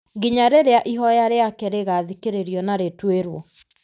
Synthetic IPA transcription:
ɡiɲaɾeɾeaʔiɦɔjaɾeakɛɾeɣaðikeɾeɾiɔnaɾetweɾwɔ

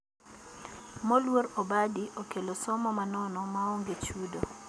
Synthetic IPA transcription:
mɔlwoɾobadiʔokelosɔmɔmanɔnɔmaoŋɡet͡ʃudo

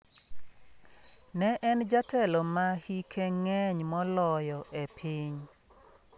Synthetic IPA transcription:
nɛʔɛnd͡ʒatɛlɔmahikʰeŋɛɲmɔlɔjɔʔepʰiɲ

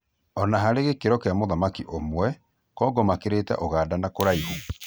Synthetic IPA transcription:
ɔnaɦaɾeɣekeɾɔkeamoðamakiʔomwɛ | kɔːɡɔmakeɾetɛ̰ʔoɣaːdanakoɾaiɣo

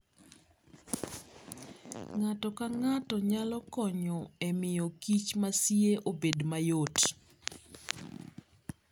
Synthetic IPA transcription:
ŋatɔkaŋatɔɲalɔkɔɲɔemɪjɔkit͡ʃmasjeʔobedmajot

